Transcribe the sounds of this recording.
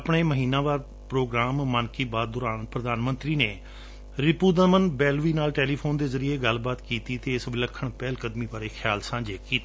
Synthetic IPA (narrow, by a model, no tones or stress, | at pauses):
pɳeːməɦiːnãːʋaːɾ | pɾoːɡɾaːmːənkiːbaːd̪̚d̪ʊɾaːnpɾəd̪aːnmə̃nt̪ɾiːneː | ɾɪpuːd̪əmənbɛːlʋiːnaːlʈɛːliːpʰoːnd̪eːzəɾieːɡəlbaːt̪kiːt̪iːt̪eːɪsʋɪləkʰːəɳpɛːlkəd̪mĩːʋaːɾeːkʰjaːlsãːd͡ʒeːkiːt̪ː